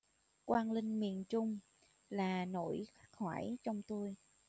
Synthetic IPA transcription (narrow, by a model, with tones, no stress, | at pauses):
kwaː˧nlï˧ŋ̟mḭ˧˨ənt͡ɕʊ˧ŋ͡m | laː˨˩no̰˧˨jxa˦˥k̚ha̰ː˧˩jt͡ɕɔ˧wŋ͡mt̪o˧j